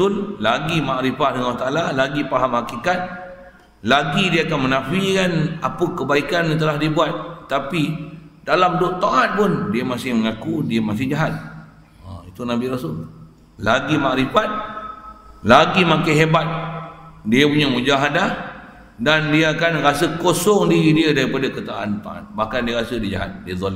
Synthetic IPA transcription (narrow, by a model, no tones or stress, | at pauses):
ʊllaɡimaʔɾifahdəŋlaht̪aalalaɡipaɦamhakikat̪̚ | laɡidiaakanmənafikanapəkəbaikanat̪̬əlahdibuat̪̚ːapidalamdʊʔt̪oʔat̪̚pʊndiamasɪhməŋakudiamas̬ɪhd͡ʒaɦat̪̚ | a̰it̪unabiɾasʊl | laɡimaʔɾifat̪̚ | laɡimakaɦebat̪̚ | diəpuɲamud͡ʒaɦadah | dandiaakanɾasəkosɔŋdiɾidiədaɾipadakət̪aʔːnt̪a̰ʔa̰t̪̚bahkandiəɾasədiəd͡ʒa̰ɦa̰t̪̚diəzˤɔli